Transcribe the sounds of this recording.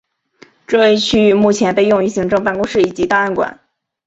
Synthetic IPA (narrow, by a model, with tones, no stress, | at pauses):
ʈ͡ʂɤ˥˧we˥˧ɪt͡ɕʰy˥˧y˥˧mu˥˩t͡ɕʰjɛ˧˥npe˥˧ɪjʊ˥˧ŋy˥˩ɕi˧˥ŋʈ͡ʂɤ˥˧ŋpa˥˩˧nkʊ˥ŋʂɻ̩˥˩i˨˩t͡ɕi˧˥t̪a˥˧a˥˩nkwa̰˨˩˦n